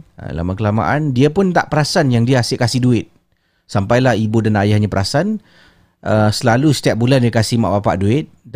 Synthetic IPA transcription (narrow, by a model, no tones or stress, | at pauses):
la̰makəlama̰ʔandiəpʊnt̪a̰ʔpəɾasanjaŋdiəasɪkasɪhduɪt̪̚ | sampajlahibodanajahɲãpəɾasan | ʔəsəlalusə̥t̪iap̚bulandiəkasihma̰ʔbapa̰ʔduɪt̪̚